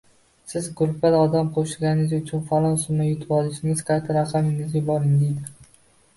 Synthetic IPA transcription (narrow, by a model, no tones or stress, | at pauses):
sɪzɡʊɾpad̪ɒd̪amqʰoʃɪɡʲanɪɪzʊt͡ʃʰʊnfalˠɒnsʊmajʊt̪ʰɪbɒlˠɪʃɪŋɪz̥qʰɑjt̪ʰaɾasɒmɪŋɪzɡʲabɒɾɪŋd̪ejd̪ɪ